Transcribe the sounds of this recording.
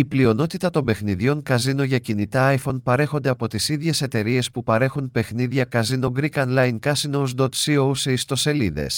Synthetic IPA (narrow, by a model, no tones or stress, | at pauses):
iplio̞no̞t̪it̪ɐt̪o̞mbe̞xniðʝo̞ŋkɐzino̞ʝɐcinit̪ɐɐjfo̞npɐɾe̞xo̞nd̪e̞ɐpo̞t̪isiðʝe̞se̞t̪e̞ɾie̞spupɐɾe̞xunpe̞xniðʝɐkɐzino̞ɡɾikɐnlɐjnkɐsinowzd̪ot̪siowseist̪o̞se̞liðḛs